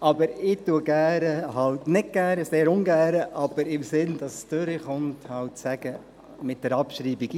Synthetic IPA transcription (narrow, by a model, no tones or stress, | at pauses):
ʔɑbəɾɪtuəɡæːɾəɦɑltnɪt̚ɡ̥æːɾəseːɾʊnɡæːɾəʔɑb̥əɾɪmsɪndɑsstøɾəχʊnthɑwtsæɡ̥ə | mɪt̚d̥ɛɾɑpʃɾiːbiɡ